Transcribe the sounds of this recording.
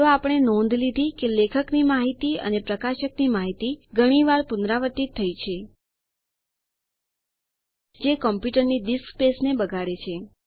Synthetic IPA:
aapəɽ̃enɔ̃nd̪ʱlid̪ʱikelekʰəknimaɦit̪iə̰nepɾəkaʃəknimaɦit̪iɡʱəɽ̃iʋaɾpunɾaʋət̪ːit̪ʰːəit͡ʃʰe | d͡ʒekɔmpjuʈəɾniɖiskspesnebəɡʱaɽet͡ʃʰe

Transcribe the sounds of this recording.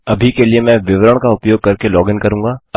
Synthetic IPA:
ɐbʱikeliemɛ̃ːʋɪʋɾəɽ̃kaʊpjoːɡ̚kɐɾkelɔːɡɪnkɐɾũːŋɡaːɐ

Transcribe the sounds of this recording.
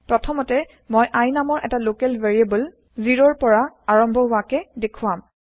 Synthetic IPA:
pɹɔtʰɔmɔtɛ | mɔjʔajnamɔɹʔɛtalokɛlveɹiabɔl | ziɹɔɹpɔɹaaɹɔmbʱɔɦʊakɛdekʰʊam

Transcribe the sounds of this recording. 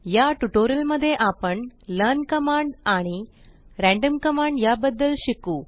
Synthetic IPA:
jaʈuʈoɾəlməd̪ʱːjeʔapəɳlənkəmaɳɖaɽ̃i | ɾæ̃ɳɖəmkəmaɳɖjabəd̪ːəlɕikuː

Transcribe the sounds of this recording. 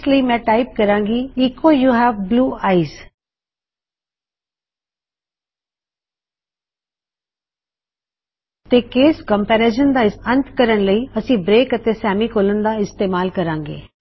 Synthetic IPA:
sləiːmɛ̃ːʈaːɪp̚kəɾãːŋɡiːiːkːoːjuːɦɛːʋbluːaːiz | t̪eːkeːskəmpɛːɾeːʃənd̪aːɪsə̃nt̪kəɾəɳləiːəsĩːbɾeːkət̪eːsɛːmiːkʰoːlənd̪aːɪst̪eːmaːlkəɾãːŋɡḛː

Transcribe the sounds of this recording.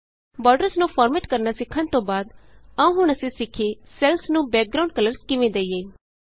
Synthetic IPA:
bɔːɾɖəɾsnũːpʰɔːɾmeːʈkəɾnasɪkʰːənt̪õːbaːd̪aũːɦʊɽ̃əsẽsɪkʰesɛlsnũːbɛːk̚ɡɾaːʊ̃ɳɖ̚kələɾskɪʋẽd̪eːijeː

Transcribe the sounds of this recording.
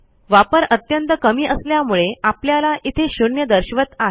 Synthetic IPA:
ʋapəɾət̪jənt̪əkəmiːʔəsljamuɭeapljalaʔit̪ʰeɕuɳjəd̪əɾɕʋət̪a

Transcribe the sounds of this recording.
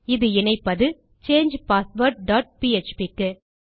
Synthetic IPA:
ɪðɯɪnɐɪpːɐðɯ | t͡ʃeːnd͡ʒpaːsʋɐʈ̚ɖaːʈ̚piːɛt͡ʃpikːɯ

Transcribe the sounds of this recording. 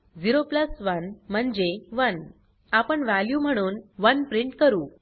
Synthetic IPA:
d͡ziɾopləsʋənm̤əɳd͡ʑeʋən | apəɳʋæljum̤əɽ̃uːnʋənpɾiɳʈkəɾuː

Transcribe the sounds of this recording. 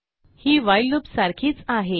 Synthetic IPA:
hiːʋajlːupsaɾkʰiːt͡saɦe

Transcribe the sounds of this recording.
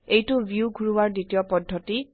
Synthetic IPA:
ejtubjuɡʱuɹuwaɹditijɔpɔdʱːɔti

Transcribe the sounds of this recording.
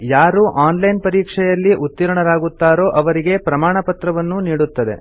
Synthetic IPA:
jaːɾuʔaːnlɐjnpɐɾiːkʂɛjɐlːiʔut̪ːiɾɐɳɐɾaːɡut̪ːaːɾo̞ːʔɐʋɐɾiɡe̞pɾɐmaːɳɐpɐt̪ɾɐʋɐnːuniːɽut̪ːɐd̪e̞̰

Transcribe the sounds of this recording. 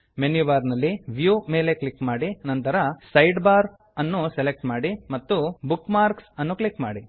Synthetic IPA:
menjubaːɾnɐlːiʋjume̞ːle̞klikːmaːɽinɐnt̪ɐɾɐsɐjɖbaːɾ | ɐnːusele̞k̚ʈmaːɽimɐt̪ːubukːmaːɾksɐnːuklikma̰ːɽi

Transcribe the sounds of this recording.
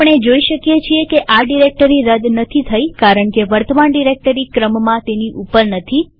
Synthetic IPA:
əɳ̃ed͡ʒoiʃəkjet͡ʃʰiekeʔaɖiɾek̚ʈəɾiɾəd̪nət̪ʰit̪ʰəjkaɾəɳkeʋəɾt̪əmaɳɖiɾek̚ʈəɾikɾəmmãt̪eniʔupəɾnət̪ʰi

